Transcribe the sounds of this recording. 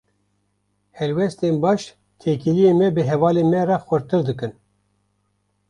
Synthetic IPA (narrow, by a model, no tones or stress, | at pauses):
hɛlwɛst̪enbɑːʃ | t̪ʰeːkilijeːmɛbɨɦɛvɑːlemɛrɑxʷɛɾt̪ɨɾd̪ɨkɨn